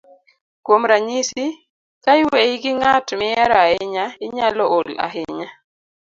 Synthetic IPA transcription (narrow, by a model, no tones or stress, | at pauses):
kwomɾaɲisi | kaɪweiɡɪŋatmɪɛɾaɪɲaɪɲalɔola̰ɦɪɲa